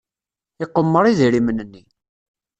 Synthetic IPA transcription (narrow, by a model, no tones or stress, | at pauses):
ɪqːəmːəɾˤiðiɾimənːənːi